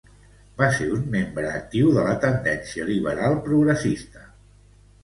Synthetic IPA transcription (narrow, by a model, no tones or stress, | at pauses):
baseɾunmembɾəːk̚t̪iwðələt̪ənd̪ɛnsiəliβəɾalˠpɾuɣɾəsist̪ə